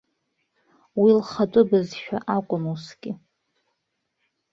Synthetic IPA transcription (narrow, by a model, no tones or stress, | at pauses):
wilχatʷʼʊbɨzʃᶣaʔakʷʼʊnusɡʲʼɪ